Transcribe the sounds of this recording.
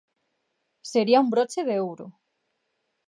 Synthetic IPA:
seɾiaumbɾot͡ʃeðewɾo

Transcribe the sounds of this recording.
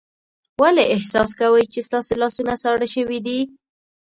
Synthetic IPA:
waleɪhsɑs̬kawəjt͡ʃest̪ɑselɑsunasɑɽaʃəwid̪i

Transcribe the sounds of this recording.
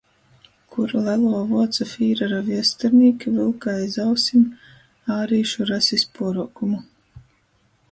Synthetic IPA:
kʰuɾlælˠuɔvuɔt̪safiːɾaɾaviɛst̪ɛɾniːkʲivɨlˠkajzawsim | aːɾiːʃuɾasispuɔɾukumu

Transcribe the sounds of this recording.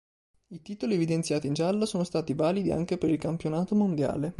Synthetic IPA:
it̪iːt̪olievid̪ent̪sjaːt̪ind͡ʒalːasoːnost̪aːt̪ivaːlid̪ia̰ŋk̟epeɾilkampjonaːt̪omond̪ja̰ːle

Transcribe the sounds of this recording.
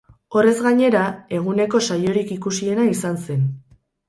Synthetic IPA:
o̞re̞zɣaɲe̞ɾae̞ɣ̞une̞ko̞sajo̞ɾikikusie̞naisanse̞n

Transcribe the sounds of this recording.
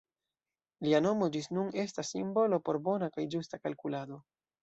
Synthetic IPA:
liano̞mo̞d͡ʒisnune̞stasːimbo̞lo̞po̞ɾbo̞nakajd͡ʒustakalkulado̞

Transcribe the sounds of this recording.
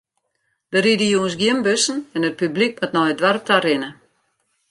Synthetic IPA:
dəɾidəjuəns̬ɡjiəmbøsn̩ɛnət̚pyblik̚matnɔjədʋaɾəp̚tarɪnə

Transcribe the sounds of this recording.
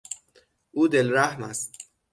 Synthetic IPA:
ʔuːd̪elɾæhmæst̪̚

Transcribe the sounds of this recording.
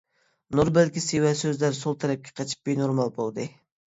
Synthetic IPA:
nuɾbɪlkʲisiwɛsøzlæɾsolˠt̪ʰɛɾɛp̚kʲʰɛ̥qʰɑt͡ʃʰi̥p̚benoɾmɑlˠbolˠd̪ɨ

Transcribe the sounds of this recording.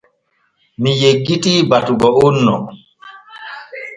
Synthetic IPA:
mijeɡːitiːbatuɡɔunːɔ

